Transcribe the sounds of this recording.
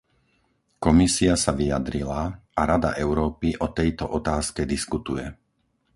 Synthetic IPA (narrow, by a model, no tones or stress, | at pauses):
kɔmisiasaʋijad̪ɾilaaɾad̪a̰ʔɛʊɾɔːpiʔɔt̪ɛjt̪ɔʔɔt̪aːskɛd̪iskut̪ujɛ